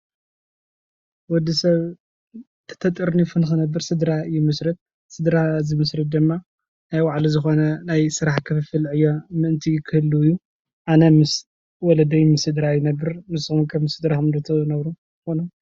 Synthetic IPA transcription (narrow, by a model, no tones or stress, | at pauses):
wɔd̪ːisɐβ | t̪ʰɐ̥t̪ʰɐt̪ʼɨɾnifunɨxɨnɐbːɨɾsɨd̪ɾaɨjːɛmɨsɾɐt̪̚ | sɨd̪ɾazɨmɨsɾɨd̪ɨmːa | najwaʕlizɨxo̞nɐnajsɨɾaħkʰɐfɨfɨlʕɨjːomɨʔɨnt̪ʰikʰɨhɨlːuɨjːu | ʔanɐmɨs | wɔlɐd̪ɐjmɨsɨd̪ɾajɪnɐbːɨɾmɨshumkʰɐmɨsɨd̪ɾaxɨmd̪ɐt̪ʰɨnɐβɾu | xonu